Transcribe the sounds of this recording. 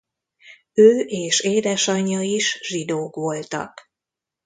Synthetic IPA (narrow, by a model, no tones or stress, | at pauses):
øːʔeːʃeːd̪ɛʃɒɲːɒiʃʒid̪oːkʋo̞lt̪ɒ̰k